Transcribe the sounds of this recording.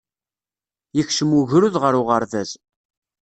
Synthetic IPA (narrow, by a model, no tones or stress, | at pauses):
jəçʃəmuʝɾuðʁəɾʊʁəɾðæz